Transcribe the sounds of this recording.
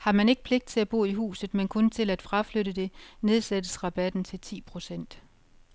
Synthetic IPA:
hɑ̈mæne̝ɡ̥̚pʰle̝ɡ̥̚d̥̚t͡sʰe̝æb̥o̝̰ːiɦṵːsð̩ˠmenkʰɔ̽nt͡sʰe̝læd̥fʁɑ̈fløɾəd̥e̝ne̝ð̞ˠsed̥əsʁɑ̈b̥æd̥n̩t͡sʰe̝lt͡sʰḭːpʰʁo̝sen̰d̥

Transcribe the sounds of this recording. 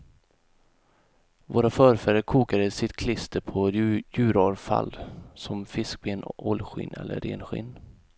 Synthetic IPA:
voːɾafœːɾfɛɾəkʰuːkad̪əsɪt̪kʰlɪst̪ʰəpʰɔjʉ̟ːɾɑɾfa̰lsɔmfɪsk̚beːnɔlɧɪ̰nɛ̰lːə̰ɾḛːnɧɪ̰nː

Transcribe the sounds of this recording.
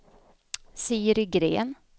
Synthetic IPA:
siːəɾʏɡɾḛːn

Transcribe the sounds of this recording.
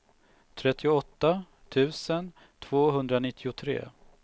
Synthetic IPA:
t̪ʰɾɛt̪ːɪʊɔt̪ːa | t̪ʰʉ̟ːsən | t̪ʰv̥oːɦɵnd̪ɾanɪt̪ʰːɪʊt̪ʰɾḛː

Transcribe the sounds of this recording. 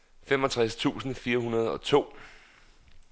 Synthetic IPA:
femɒ̽t͡sʰʁast͡sʰṵːsn̩fiːɐɦunɐð̞ˠɒ̽t͡sʰo̝̰ː

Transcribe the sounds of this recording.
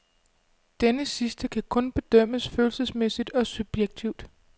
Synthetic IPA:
d̥enəsisd̥əkʰækʰɔ̽nb̥e̝d̥œm̰əsføːl̩səsmesid̥ɒ̽sub̥jeɡ̥̚t͡sʰiʊd̥

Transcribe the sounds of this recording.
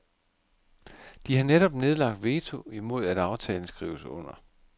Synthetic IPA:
d̥ihɑ̈neɾ̥ɒ̽b̥ne̝ð̞ˠlɑ̈ɡ̥̚d̥ʋe̝ːt͡sʰo̝imo̝ð̞̰ˠæd̥ɑ̈ʊt͡sʰɛːln̩sɡ̥ʁḭːʊsɔ̽n̰ɐ

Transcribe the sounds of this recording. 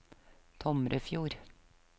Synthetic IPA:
t̪ʰɔmɾʔəfjuːɾ

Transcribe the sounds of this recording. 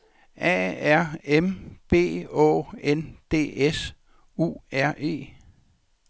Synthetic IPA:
ʔɛ̰ːæɐ̰emb̥e̝̰ːɔ̰ːend̥e̝̰ːes | ṵːæɐ̰ʔe̝̰ː

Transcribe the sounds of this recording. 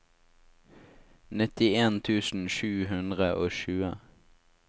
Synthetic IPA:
nɪt̪ɪeːnt̪ʰʉːsn̩ʃʉːɦʉnd̪ʁəʔoːʃʉːə̰

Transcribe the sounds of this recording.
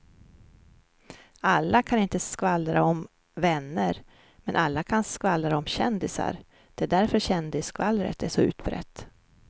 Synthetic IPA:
alːakʰanɪnt̪əskvalːɾaɔm | vɛnːəɾ | mɛnʔalːakʰanskvalːɾaɔmɕɛnd̪ɪsa̰ɾ | d̪̥ɛd̪æɾfœɾɕɛnd̪ɪskvalːɾə̰t̪æʂɔʉ̟̰ːt̪bɾɛ̰t̪ː

